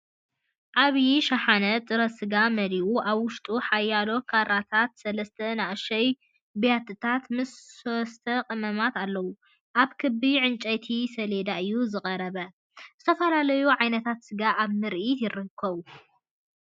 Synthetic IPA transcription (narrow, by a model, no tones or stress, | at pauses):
ʔaβjiʃaħanɐt̪ʼɨɾɐsɨɡamɐɾiʔuʔaβwʊʃt̪ʼuħajːalo̞kʰaɾat̪ʰat̪sɐlɐst̪ʰɐnaʔʃɐj | bjat̪ʰːɨt̪ʰat̪mɨsːost̪ʰɐqʼɨmɐmat̪alːɐwu | ʔaβkʰɨbiʕɨnt͡ʃʼɐjt̪ʰisɐled̪aɨjːuzɨkʼɐɾɐβɐ | zɨt̪ʰɐfɐlalɐjuʕajnɐt̪ʰat̪sɨɡaʔaβmɨɾʔit̪jɪɾɨkʰːɐβu